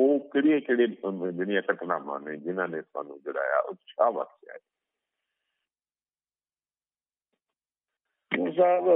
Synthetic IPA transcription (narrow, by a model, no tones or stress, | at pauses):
oːkɪɽieːkeɽeːd͡ʒɪnɪjãːkəʈnaːmã̰ːneːd͡ʒɪnãːnẽːsa̰ːnṵ̃ːd͡ʒʊɽa̰ːja̰ːʔʊtːt͡ʃʰaːʋa̰kta̰ːje | oːs̬aːb